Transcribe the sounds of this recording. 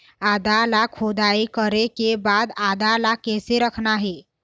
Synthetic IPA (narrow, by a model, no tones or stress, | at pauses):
ad̪alakʰod̪aekəɾekebad̪ad̪alakɛseɾəkʰnaɦe